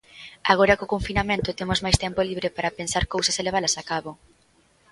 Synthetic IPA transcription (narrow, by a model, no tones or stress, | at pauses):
aɣ̞oɾɐkokoɱfinamẽnt̪ʊt̪emozmajst̪ɛmpoliβ̞ɾepaɾapensaɾkowsaseleβalɐsakaβo